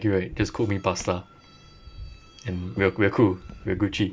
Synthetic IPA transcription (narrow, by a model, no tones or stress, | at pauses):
kuɹet̚d͡ʒaskʰʊk̚mipasla | ɛ̃nwiəwiəkʰulwiəɡut͡ʃi